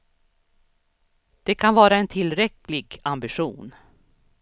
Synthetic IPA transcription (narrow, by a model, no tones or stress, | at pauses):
d̪̥ɛkʰanvɑːɾaɛnt̪ʰɪlːɾɛklɪɡambɪɧuːn